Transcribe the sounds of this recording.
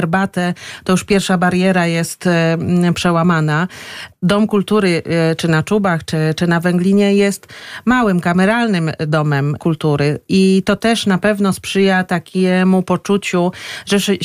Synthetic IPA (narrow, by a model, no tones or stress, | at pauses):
ɛɾbat̪ɛt̪ɔjuʂpʲjɛɾfʂabaɾjɛɾajɛst̪pʂɛwamanad̪ɔmkult̪uɾɘt͡ʂɘnat͡ʂubaxt͡ʂɘt͡ʂɘnavɛŋɡlʲiɲɛjɛst̪mawɘmkamɛɾalnɘmd̪ɔmɛmkult̪uɾɘit̪ɔt̪ɛʂnapɛvnɔspʂɘjat̪akʲɛmupɔt͡ʂut͡ɕuʐɛʂ